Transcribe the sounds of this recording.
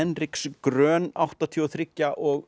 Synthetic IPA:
ɛnrɪkskɾœːnawht̪at̪ʰiɔθɾɪcːaʔɔɣ

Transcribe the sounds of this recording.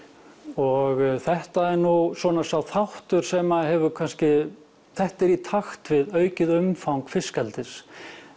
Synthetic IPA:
ɔɣθɛht̪aɛɾnusɔːnasawθaht̪ʏɾ̥sɛmaɦɛvʏkʰanscɪ | θɛht̪ɛɾit̪ʰaxt̪vɪðœːɥcɪðʏmfawŋkfɪskɛlt̪ɪs

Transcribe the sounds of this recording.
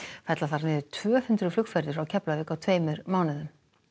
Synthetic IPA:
fajt̪laθaɾmɛːðʏɾ̥t̪ʰvœːhʏnt̪ɾʏflʏkfɛɾðʏɾawcʰɛplavɪːkawt̪ʰv̥eːjmʏɾmaːwnɪðʏm

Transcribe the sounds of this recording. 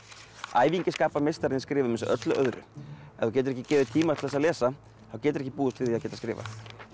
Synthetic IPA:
a̰ːjviɲcɪskaːpaɾmejst̪aɾɪnɪskɾɪːvʏmɪnsɛʔœt̪lʏʔœðɾʏ̰ɛθuwcɛːt̪ʏɾɛhcːɪcɛːvɪðt̪ʰiːmaɛt̪θɛsalɛːsa | θawcɛːt̪ʏɾɛçc̬ːɪpuːðʏst̪vɪðiaðcɛːt̪askɾɪ̰ːva̰

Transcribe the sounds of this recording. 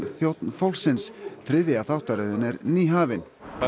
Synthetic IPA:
θjowt̪nfawlsɪnsθɾɪðɪaθawht̪aɾʏðʏnɛɾniːɦaːvɪn

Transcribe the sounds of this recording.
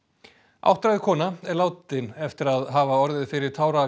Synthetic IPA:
ʔa̰wht̪ɾajðɪkʰɔːnaɛɾlaːwt̪ɪnɛft̪ɪɾaðɦaːvaɔɾðɪðfɪɾɪɾ̥t̪ʰaːwɾa

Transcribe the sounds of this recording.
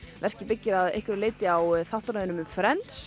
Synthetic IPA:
vɛr̥cɪpɪcːɪɾaðḛjhkvɪɾleːjt̪ɪawθaht̪ɾaðɪnʏmʏmfɾɛnt̪s

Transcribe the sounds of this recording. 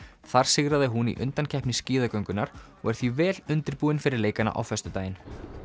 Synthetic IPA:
θaɾ̥sɪɣɾaðɪɦunḭʔʏ̰nt̪ancʰɛhpnɪsciːðakœɥŋkʏnaɾ̥ɔ̰ɣɛɾ̥θivɛːlʏnt̪ɪɾpuːɪnfɪɾɪɾleːjkana̰ʔa̰wfɛst̪ʏt̪aːjɪn

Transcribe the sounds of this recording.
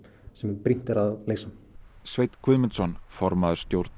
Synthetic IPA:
sɛmɛpɾin̥t̪ɪɾaðlejsamsvejt̪kʰvʏðmɛnsɔnfɔɾmaðʏɾ̥st̪jowɾt̪n

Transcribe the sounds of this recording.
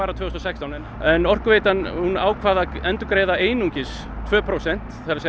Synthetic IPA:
aɾat̪ʰvʏːhst̪ɔsɛkst̪awnɛnɛnɔr̥kvejt̪anhuna̰ːwkʰvaːðaɛnt̪ʏkɾeːjðaeːjnuɲcɪs | t̪ʰvœːpʰɾowsɛn̥t̪θaɾas

